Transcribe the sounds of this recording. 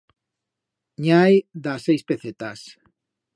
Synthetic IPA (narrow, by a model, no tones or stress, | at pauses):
ɲajðasejspeθet̪as